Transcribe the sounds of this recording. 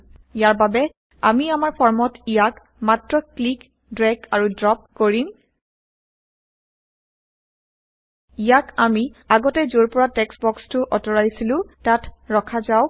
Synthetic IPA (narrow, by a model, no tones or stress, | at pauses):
ijaɹbabɛ | a̰miamaɹpʰɔɹmɔtijak | matɹɔklik | dɹɛkaɹudɹɔp̚koɹin | ijakamiaɡɔtɛzoɹpɔɹatɛksbɔkstʊʔɔtɔɹajsilʊ̃tatɹɔkʰazaʊ